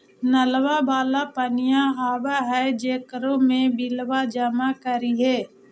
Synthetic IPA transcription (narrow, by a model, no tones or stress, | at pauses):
nəlʋabaːlapənɪjaɦaːʋaɦɛd͡ʒeːkəɾõmẽbɪlʋad͡ʒəmakəɾiɦɛː